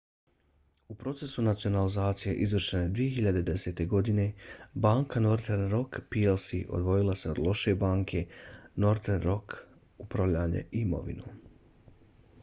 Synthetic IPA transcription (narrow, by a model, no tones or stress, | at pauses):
upɾo̞t̪se̞sunat̪sio̞nalizaːt̪sije̞̰ʔizʋr̩ʃened̪ʋije̞ɦiʎad̪e̞d̪e̞se̞ːt̪e̞ɡo̞d̪ine̞baːŋkano̞ɾt̪eɾnɾo̞kpielˠsiʔo̞̰d̪ʋo̞jilˠase̞o̞d̪lˠo̞ʃe̞baːŋkʰe̞no̞ɾt̪eɾnɾo̞k | upɾaʋʎaːɲḛʔimo̰ʋḭnu